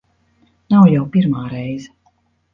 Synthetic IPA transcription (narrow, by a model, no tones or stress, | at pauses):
nawjawpʲiɾmaːɾɛjzɛ